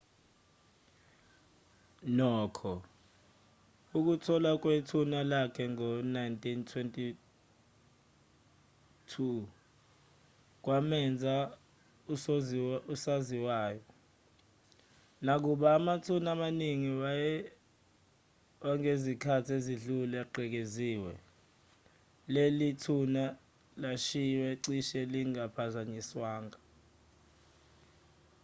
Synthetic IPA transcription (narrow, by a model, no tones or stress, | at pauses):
nɔːkʰɔ | uk̬utʰɔlak̬ʼwetʰunalakʰɛŋɔnajntʰʼintʰwentʼi | tʰu | k̬wamɛnd͡zʱa | u | usaziwaːjɔ | nak̬uɓaːmatʰunamaniŋi | waŋezikʰatʰieziɮuluaɡ͡ǃʱɛk̬eziːwɛ̰ | lelitʰuna | laʃiwɛǀiʃɛliŋapʰazaɲiswaːŋɡa